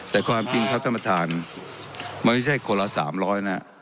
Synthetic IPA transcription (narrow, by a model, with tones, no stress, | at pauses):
t̪ɛː˨˩kʰwaː˧mt͡ɕi˧ŋkʰa˦˥t̪a˧mpa˧t̪ʰaː˧n | ma˧˥nma˥˩t͡ɕʰa˥˩jkoː˧la˧sa̰ː˩˦mɾɔː˦˥jna˦˥ʔ